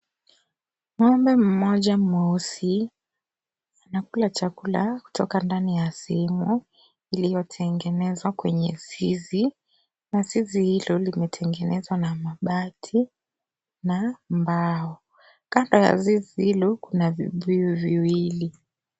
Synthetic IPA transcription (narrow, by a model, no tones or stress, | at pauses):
mɔmbɛm̩mɔʄamausi | anakulat͡ʃakula̰ku̥tʰɔkandanijasiɛmu | ilijɔtʰɛŋɡɛnɛzwakwɛɲɛzizi | nazizihilɔlimɛtʰɛŋɡɛnɛzwanamaɓatʰi | nambaɔ | kandɔja̰zizihilɔkunavḭvujuviwili